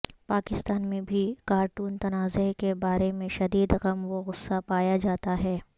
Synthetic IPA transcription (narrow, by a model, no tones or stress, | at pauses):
paːkɪst̪aːnmẽbʱikaːɾʈuːnt̪ɐnaːzekebaːɾemẽʃɐd̪iːd̪ɣɐmʋoɣʊsːapaːjad͡ʒaːt̪aɦɛː